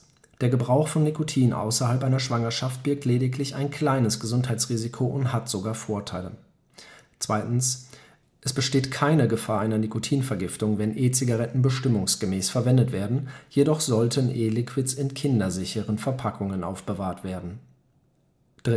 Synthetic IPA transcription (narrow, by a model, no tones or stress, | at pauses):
d̥eːɐɡəbʁaʊxfɔnːikʰotʰiːnʔa̰ʊsɐhalpʔaɪnɐʃv̥aŋɐʃaft̚b̥ɪɐk̚tleːdɪklɪça̰ɪnkʰl̥aɪnəsɡ̥əzʊnthaɪtt͡sʁ̥iːzikʰoʔʊnthatz̥oɡaːɐfoːɐtʰaɪlə̰ | t͡sv̥aɪtn̩s | ʔɛsb̥əʃteːtkʰaɪnəɡəfaːɐʔaɪnɐnikotʰiːnfɛɐɡɪftʊŋvɛnʔeːt͡siɡaʁɛtn̩bəʃtɪmʊŋsɡ̥əmɛːsfɛɐvɛndətv̥eːɐdn̩jedɔχz̥ɔltʰənʔeːlɪkʰv̥ɪtsɪnkʰɪndɐzɪçəʁənfɛɐpʰakʰʊŋənʔa̰ʊfb̥əvaːɐtv̥eːɐdn̩ | d̥ʁ